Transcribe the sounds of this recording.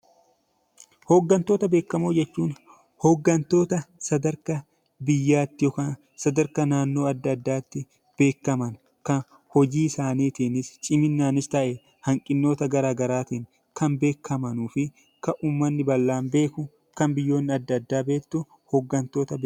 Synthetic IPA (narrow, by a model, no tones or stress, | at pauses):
hɔɡːɐnt̪o̞ːt̪ɐbe̞ːkːɐmoːd͡ʒɛt͡ʃːuːn | hɔɡːɐnt̪o̞ːt̪ɐsɐd̪ɐɾkɐ | bɪjːaːt̪ːɪjɔkaːn | sɐd̪ɐɾkɐnaːnːo̞ːɐd̪ːɐd̪ːaːt̪ːɪ | b̥e̞ːkːɐmɐn | kɐn | hɔd͡ʒiːsaːniːt̪inɪst͡ʃʼɪmɪnːaːnɪst̪ɐʔɛ | hɐŋkʼɪnːoːt̪ɐɡɐɾaːɡɐɾaːt̪iːŋ | kɐnbe̞ːkːɐmɐnuːfɪ | kɐʔuːmːɐnːɪbɐlːaːmbe̞ːkʊ | kɐmbɪjːo̞ːnːɪɐd̪ːɐd̪ːaːbeːt̪ːʊ | hɔɡːɐnt̪o̞ːt̪ɐb